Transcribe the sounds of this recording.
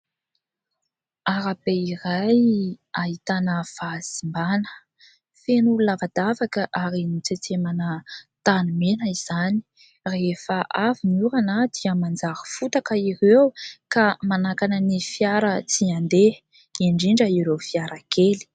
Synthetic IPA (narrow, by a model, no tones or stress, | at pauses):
aɾabeirajaɦit̪anəv̥az̥imbanə̥ | fenulunavad̪avakəʔaɾinut͡set͡semanət̪anumenəiz̥ani̥ | refəʔavinuɾanad̪̥iəmand͡zaɾəfut̪akəiɾewkamanakanənifjaɾət͡siand̪e | iɳɖ͡ʐiɳɖ͡ʐəiɾewfiaɾʔakeli̥